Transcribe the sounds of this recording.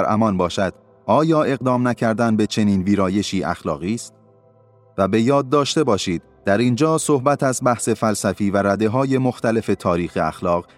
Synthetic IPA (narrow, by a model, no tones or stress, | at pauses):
ɾʔæ̰mɒnbɒːʃæd̪̥ | ʔɒːjɒːʔe̞ɣd̪ɒːmnæcʰæɾd̪ænbe̞t͡ʃʰe̞niːnviːɾɒːje̞ʃiːʔæ̰xlɒ̰ːɣiːst̪̚ | væbe̞jɒːd̪̚ːɒːʃt̪e̞bɒːʃiːd̪̥ | d̪̥æɾind͡ʒɒːsohbæt̪ʰæzbæhse̞fælsæfiːvæɾæd̪e̞ɦɒːje̞mo̞xt̪æle̞fe̞t̪ʰɒːɾiːxeæ̰xlɒːɣ